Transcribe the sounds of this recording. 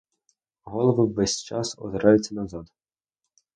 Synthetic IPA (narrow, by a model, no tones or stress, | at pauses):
ɦɔlˠɔʋɪwʋɛsʲt͡ʃɑsɔ̰d̪eɾɑjʊtʲt͡sʲːɐnɐzɑd̪